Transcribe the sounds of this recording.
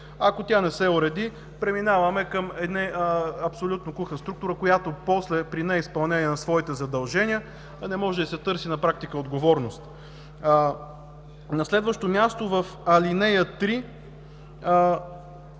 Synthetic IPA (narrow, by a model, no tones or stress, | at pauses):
ɐkot̪ʲanɛsɛʊɾɛd̪i | pɾɛminavɐmɛkəmɛd̪nɛɐpsolʲut̪nokuxəst̪ɾuk̚t̪ʊɾəkojat̪opɔslɛpɾinɛispɐlˠnɛniɛnɐsvɔit̪ɛzɐd̪ɐlˠʒɛniə | nɛmɔʒɛd̪ɐsɛt̪ɤɾsinɐpɾak̚t̪ikəod̪ɡovɔɾnost̪ | nɐslɛd̪vəʃt̪omʲjast̪ovɐfɐlinɛjət̪ɾi